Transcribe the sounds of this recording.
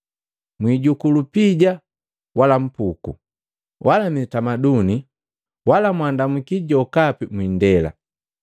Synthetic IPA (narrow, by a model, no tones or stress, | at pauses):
mwiɟukulupiɟa | walam̩pukṵ | wʔalamitamaduni | walamwandamukiɟɔkapimwindɛla̰